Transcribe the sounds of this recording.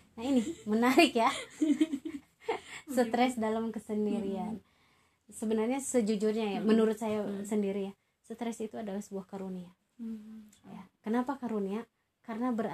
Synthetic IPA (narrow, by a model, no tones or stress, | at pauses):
naɦinɪmənaɾɪkja | sət̪ɾɛsdalamkəsəndiɾian | səbənarɲasəd͡ʒud͡ʒʊrɲajamənuɾʊt̪̚sajasəndiɾija | sət̪ɾɛsit̪uadalahsəbuahkaɾunia | jakənapakaɾunia | kaɾənabəɾ